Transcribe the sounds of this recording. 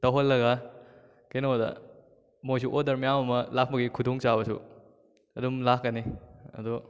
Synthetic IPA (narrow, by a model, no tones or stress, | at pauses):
tɐwɦolːɐɡa | kenodɐ̰ | mojsuʔodɐɾmijamɐmɐlak̚bɐɡikʰudoŋt͡ʃabɐsṵ | ɐdumlakːɐniɐ̰du